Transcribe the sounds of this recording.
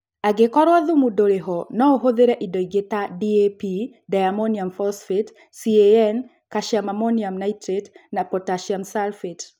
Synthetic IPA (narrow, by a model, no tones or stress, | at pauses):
aɡekɔɾwaðʊmudoɾeɦɔnɔoɦoðeɾɛʔidɔiɡetadiepi | dajamoniamfɔsfet | sieɛn | kaʃjamamoniamnaitɾetnapɔtaʃiamsalfet